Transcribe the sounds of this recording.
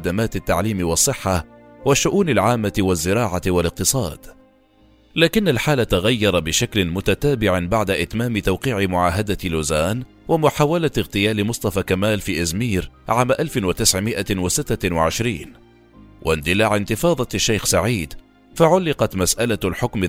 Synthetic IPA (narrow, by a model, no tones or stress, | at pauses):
ad̪amaːt̪ɪt̪ːaʕliːmɪwɑsˤːɨħːawaʃːʊʔuːnalʕaːmːat̪ɪwazːɪɾɑːʕatɪwalɪq̚t̪ɨsˤɑ̰ːd̪̥ | laːkɪnːalħaːlat̪aɣajːɑɾˤɑbɪʃaklɪmʊt̪at̪aːbɪʕbaʕd̪aʔɪt̪maːmɪt̪awqiːʕɪmʊʕaːɦad̪aloːzaːn | wamʊħaːwalaɣt̪ɪjaːlɪmʊsˤt̪ˤɑfakamaːlfiːʔazmiːɾʕaːmaʔalfɪnwat̪ɪsʕmɪʔawasɪt̪ːawaʕɪʃɾiːn | wʔa̰nd̪ɪlaʕɪnt̪ɪfɑːðˤɑaʃːajxsaʕiːd̪ | faʕʊlːɪqɑt̪masʔalalħʊkmɪ